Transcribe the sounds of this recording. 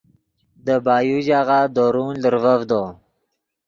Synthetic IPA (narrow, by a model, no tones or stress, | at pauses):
d̪əbɑːjuʑaɣad̪oɾunləɾvavd̪o